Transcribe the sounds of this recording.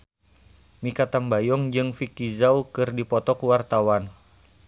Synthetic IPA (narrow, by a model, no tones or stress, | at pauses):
mikat̪ambajɔŋd͡ʒɨŋfikizaukɨrdipɔt̪ɔkuwart̪awan